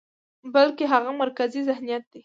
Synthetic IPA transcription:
balkeɦaɣamaɾkazizahnijat̪̚d̪i

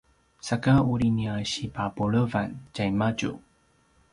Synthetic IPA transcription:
sakauɾiniaɕipapuɭəvancajmaɟṵ

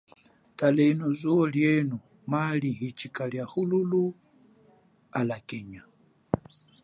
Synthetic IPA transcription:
talɛnɔzuɔljɛnu | malihit͡ʃikaljahululu | alakɛɲa

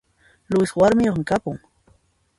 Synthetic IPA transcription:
lʊswaɾmɪjoχmɪkapʊŋ

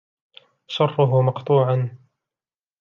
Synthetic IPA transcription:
ʃɑrˤːʊɦʊmɑqt̪ˤuːʕan

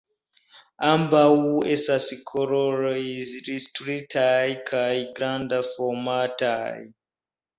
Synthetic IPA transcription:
ambawuesasikʰoɾoɾojiziɾistɾitʰajikʰaiɡɾandafɔmata̰j

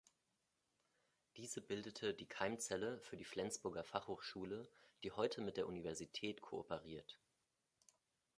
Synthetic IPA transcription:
d̥iːzəbɪldətʰədiːkʰaɪmt͡sɛləfyːɐdiːflɛnt͡sb̥ʊɐɡɐfaχhoːχʃuːləd̥iːhɔʏtʰəmɪt̚d̥eːɐʔunivɛɐzitʰɛːtkʰoʔo̰pəʁiːɐt

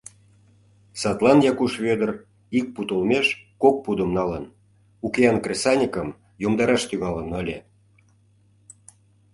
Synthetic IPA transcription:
sɑt̪lˠɑnjɑkuʃβød̪ər | ik̚put̪olmeʃkok̚pud̪ə̆mnɑlən | ukʲeɑnkrʲesɑnʲikəm | jomd̪ɑɾɑʃt̪yɣɑlənəlʲe

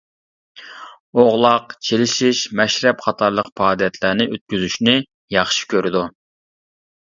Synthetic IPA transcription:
oʁlˠɑqt͡ʃʰelɪʃiʃmɛʃɾɛpχɑt̪ʰɑɾlˠəqpʰɑːd̪jɛt̪ʰlæɾnɪʔøt̪̚kʲyzyʃnɪ | jɑχʃi̥kʲʰøɾɪd̪u

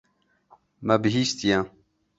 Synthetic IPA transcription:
mabiɦist̪ijã

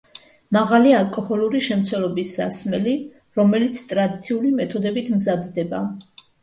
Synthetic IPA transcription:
maʁalialˠkʼɔhɔluɾiʃɛmt̪sʰwɛlɔbisːa̰smɛli | ɾɔmɛlit̪sʰt̪ʼɾad̪it̪sʰiulimɛt̪ʰɔd̪ɛbit̪ʰmzad̪d̪ɛba

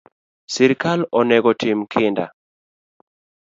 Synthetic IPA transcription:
sɪɾkalɔnɛɡɔtɪmkʰɪnda̰

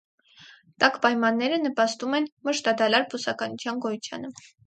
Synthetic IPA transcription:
t̪ɑkpɑjmɑnːɛɾənəpɑst̪umɛnməʃt̪ɑd̪ɑlɑɾpʰusɑkɑnut͡sʰjɑnɡɔjut͡sʰjɑ̰nə

